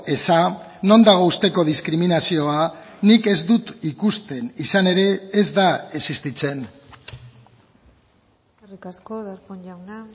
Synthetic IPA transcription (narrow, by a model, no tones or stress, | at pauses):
e̞sa | no̞nd̪aɣ̞o̞ust̪e̞ko̞ðiskɾiminasio̞anike̞zd̪ut̪ikust̪e̞nisane̞ɾe̞ːzd̪ae̞sist̪it͡se̞n | skerikaskoðaɾkoɲʎawna